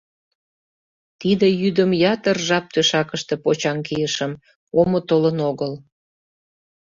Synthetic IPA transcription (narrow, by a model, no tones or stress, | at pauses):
t̪id̪ejyd̪əmjɑt̪ərʒɑp̚t̪øʃɑkəʃt̪e̽pot͡ɕɑŋkijəʃəm | omot̪olənoɣəl